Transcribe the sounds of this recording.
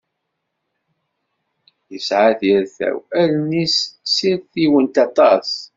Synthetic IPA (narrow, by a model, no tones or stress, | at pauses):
jəsʕaðjəɾθæ̰wæðnissiðθiwənt̪ɑt̪ˤɑs